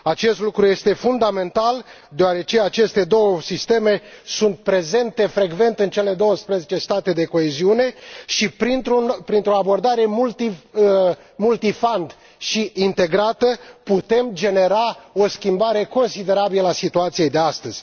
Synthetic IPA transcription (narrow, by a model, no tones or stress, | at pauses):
at͡ʃe̞st̪lukɾuje̞st̪e̞fund̪ame̞nt̪al | d̪eaɾe̞t͡ʃe̞at͡ʃe̞st̪e̞d̪o̞wəsist̪e̞me̞sunt̪̚pɾe̞ze̞nt̪e̞fɾe̞ɡve̞nt̪ɨnt͡ʃe̞le̞d̪o̞wəspɾəzet͡ʃe̞st̪at̪e̞d̪e̞ko̞e̞ziune̞ʃipɾint̪ɾunpɾint̪ɾoabo̞rd̪aɾe̞mult̪i | mult̪ifand̪ | ʃiint̪e̞ɡɾat̪əput̪e̞md͡ʒe̞ne̞ɾao̞skʲimbaɾe̞ko̞nsid̪e̞ɾabilasit̪uat̪sijejd̪e̞ast̪əz̥ʲ